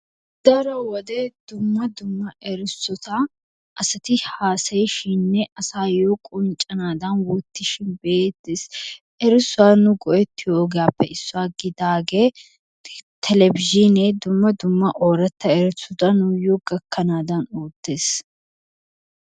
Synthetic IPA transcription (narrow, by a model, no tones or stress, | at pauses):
d̪̥ɐɾɐwɔd̪eːd̪ʊmːɐd̪ʊmːɐʔɛɾɪsːɔt̪a | ʔɐsɐt̪ɪhaːsɐjʃinːɛʔɐsaːjoːkʼɔnt͡ʃʼɐnaːd̪anwɔt̪ːɪʃɪnbeːt̪ːes | ʔɛɾɪsːʊaːnʊɡɔʔɛt̪ːɪjoːɡaːpːɛɪsːʊaːɡɪd̪aːɡeː | t̪ʰɛlɛbɪʒineːd̪ʊmːɐd̪ʊmːɐʔoːɾɐt̪ːɐɛɾɪsʊt̪ɐnʊjoːɡɐkːɐnaːd̪ɐnoːt̪ːeːs